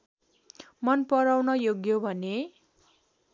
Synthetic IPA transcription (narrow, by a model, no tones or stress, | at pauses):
mʌnpʌɾawnʌjoɡjobʱʌne